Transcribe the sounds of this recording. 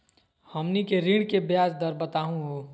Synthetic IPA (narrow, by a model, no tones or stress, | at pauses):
həmnikeɾiɽ̃kebjaːd͡ʒd̪əɾbət̪aːɦũɦoː